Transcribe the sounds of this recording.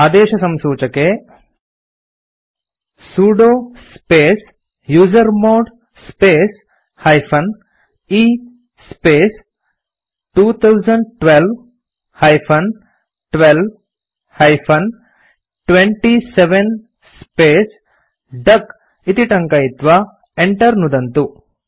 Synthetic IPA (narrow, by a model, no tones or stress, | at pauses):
aːd̪eːʃɐsɐmsuːt͡ʃɐkeː | suːɖoːspeːs | juːd͡ʒɐɾmoːɖ | speːs | hɐjpʰɐn | iː | speːs | ʈuːt̪ʰɐwd͡ʒɐɳɖ̚ʈʋelʋ | hɐjpʰɐn | ʈʋelʋ | hɐjpʰɐn | ʈʋẽɳʈiseʋen | speːs | ɖɐk | it̪iʈɐ̃ŋkɐit̪ʋa | eɳʈɐɾnud̪ɐnt̪u